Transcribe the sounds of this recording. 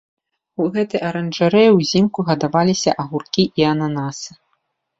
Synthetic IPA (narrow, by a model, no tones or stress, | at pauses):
uɣɛt̪ɨjɐɾɐnʐaɾɛjwzʲimkuɣɐd̪avalʲisʲɐ̰ʔɐɣurkʲiʔiɐnanasɨ̥